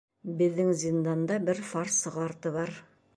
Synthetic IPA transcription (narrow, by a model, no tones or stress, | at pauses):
bɘ̆ðːɘŋzʲind̪ɑnd̪ɑbɘɾfɑɾsɤ̆ʁɑɾt̪ɤβɑɾ